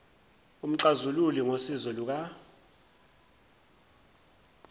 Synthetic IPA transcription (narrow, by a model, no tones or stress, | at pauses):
um̩ǀazululiŋosizɔluk̬a